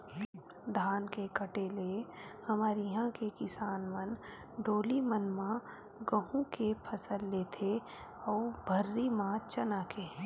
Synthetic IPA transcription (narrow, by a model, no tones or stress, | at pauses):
d̪ʱaːnkekəʈelehɐmaːɾiɦãkekɪsaːnmən | ɖoːlimənmã | ɡəɦũkepʰəsəlːeːt̪ʰe | ɔːbʱəɾːimãt͡ʃənaːkeː